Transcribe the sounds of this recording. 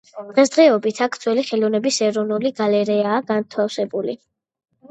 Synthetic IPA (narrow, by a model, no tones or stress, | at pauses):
d̪̥ʁɛsd̪ʁɛɔbit̪ʰakʰt̪sʰwɛliχɛlɔnɛbisɛɾɔnuliɡalɛɾɛaːɡant̪ʰafsɛbulḭ